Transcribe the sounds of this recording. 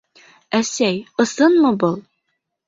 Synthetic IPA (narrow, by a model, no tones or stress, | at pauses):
æsæjɤ̆sɤnmɤbɤlˠ